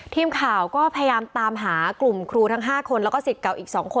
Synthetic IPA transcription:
t̪ʰiː˧mkʰaː˨˩wkɔː˥˩pʰa˧ja˧jaː˧mt̪aː˧mɦaː˩˦klu˨˩mkʰɾuː˧t̪ʰa˦˥ŋɦaː˥˩kʰo˧nlɛː˦˥wkɔː˥˩si˨˩t̪̚ka˨˩wʔiː˨˩k̚sɔː˩˦ŋkʰo˧

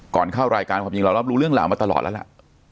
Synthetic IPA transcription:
kɔː˨˩nkʰaː˥˩wɾaː˧jkaː˧nkʰaː˧ji˧ŋla˧wla˦˥ɾuː˦lɯ˥˩əŋla̰ː˨˦maː˧t̪a˧lɔ̰ː˨˩t̪̚l̰a˦˥la̰˨˩ʔ

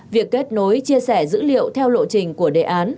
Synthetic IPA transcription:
vi˨˩əkːe˦˥t̚no˨˦jt͡ɕi˧əsɛ˧˩zɨ̰˧˥lḭ˧˨əwt̪ʰɛ˧wlo̰˧˨t͡ɕï˨˩ŋ̟ku˧˩əɗḛ˧˨˩ʔaː˨˦n

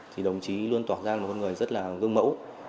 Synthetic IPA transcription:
t̪ʰi˨˩ɗə˨˩wŋ͡mt͡ɕi˨˦lu˧ənt̪waː˧˩t̚zaː˧˨˩kɔ˧nŋɨ˨˩əjzə˦˥t̚laː˨˩ɣɨ˧əŋmə̰˧˥w

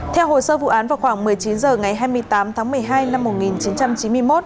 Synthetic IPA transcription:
t̪ʰɛ˧wɦo˨˩jsəː˧vṵ˧˨ʔaː˨˦nvaː˨˩wxwaː˧˩ŋmɨ˨˩əjt͡ɕi˨˦nzəː˨˩ŋa˨˩jɦaː˧jmɨ˧əjt̪aː˨˦mt̪ʰaː˨˦mɨ˨˩əjɦaː˧jna˧mːo˨˩t̚ŋi˨˩nt͡ɕi˨˦nt͡ɕa˧mt͡ɕi˨˦nmɨ˧əjmo˦˥t̚

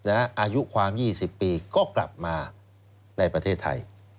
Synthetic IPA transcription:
na˦˥ʔaː˧ju˦˥kʰwaː˧mjiː˥˩si˨˩pːiː˧kɔː˥˩kla̰˨˩p̚maː˧ | na˧jpɾa˧t̪ʰeː˥˩t̪ʰːa̰˧j

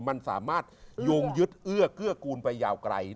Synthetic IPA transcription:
ma˧nsa̰ː˩˦maː˥˩t̪̚joː˧ŋjɯ˦˥t̪̚ʔɯ˥˩ɐkɯ˥˩ɐkuː˧npa˧jːaː˧˩wkɾa̰˧j

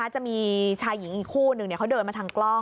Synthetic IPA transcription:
aː˦˥˩t͡ɕa˨˩ʔmiː˧t͡ɕʰaː˧jːi˨˩˦ŋʔiː˨˩kʰuː˥˩nɯ˨˩ŋni˥ɐkʰa˦˥wdɤː˧nma˧t̪ʰaː˧ŋklɔ˥˩

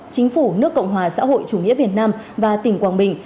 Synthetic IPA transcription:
t͡ɕï˨˦ŋ̟fu˧˩nɨ˦˥əkːə̰˧˨wŋ͡mɦwaː˨˩sa̰ː˧˥ɦo̰˧˨jt͡ɕu˨˧˩ŋḭ˧˥əvi˨˩ət̚naː˧mvaː˨˩t̪ï˨˩ŋ̟kwaː˨˩nɓï˨˩ŋ̟

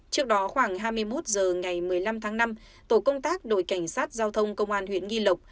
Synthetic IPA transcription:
t͡ɕɨ˦˥ək̚ɗɔ˨˦xwaː˧˩ŋɦaː˧jmɨ˧əjmo˦˥t̚zəː˨˩ŋa˨˩jmɨ˨˩əjla˧mt̪ʰaː˨˦ŋna˧m | t̪o˧˩kə˧wŋ͡mt̪aː˦˥k̚ɗo̰˧˨jka˧˩jŋ̟saː˦˥t̚zaː˧wt̪ʰə˧wŋ͡mkə˧wŋ͡mʔaː˧nhwḭ˧˨ənŋi˧lə˨˩wk͡p̚

